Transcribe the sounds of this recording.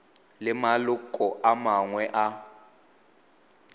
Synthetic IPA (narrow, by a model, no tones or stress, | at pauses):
lɪmalʊkʼɔʔamaŋwɛʔa